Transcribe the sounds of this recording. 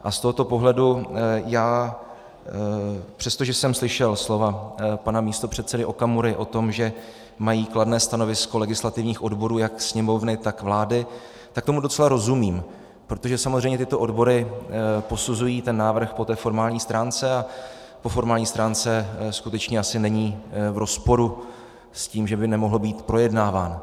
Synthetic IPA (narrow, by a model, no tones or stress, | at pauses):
ʔast̪oɦo̞t̪o̞po̞ɦlɛdujaː | pr̥ɛst̪oʒɛsɛmslɪʃɛlslo̞vapanamiːst̪o̞pr̝̥ɛt̪t͡sɛdɪʔo̞kamuɾɪʔo̞t̪o̞mʒɛ | majiːkladnɛːst̪ano̞vɪsko̞lɛɡɪslat̪ɪvɲiːxʔo̞dbo̞ɾuːjaksɲɛmo̞vnɪt̪akvlaːdɪ | t̪ak̚t̪omudot͡sɛlaɾo̞zumiːm | pɾo̞t̪o̞ʒɛsamozrɛjɲɛt̪ɪt̪o̞ʔo̞dbo̞ɾɪpo̞suzujiːt̪ɛnːaːvr̩xpot̪ɛːfo̞ɾmaːlɲiːst̪ɾaːnt͡sɛa | po̞fo̞ɾmaːlɲiːst̪ɾaːnt͡sɛskut̪ɛt͡ʃɲɛʔasɪnɛɲiːvɾo̞spo̞ɾu | sciːmʒɛbɪnɛmo̞ɦl̩biːt̪pɾo̞jɛdnaːvaːn